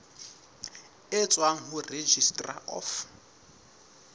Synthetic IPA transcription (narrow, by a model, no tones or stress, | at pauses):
ɪt͡sʼwaŋ̩ɦʊred͡ʒistʼra̰ʔɔ̰f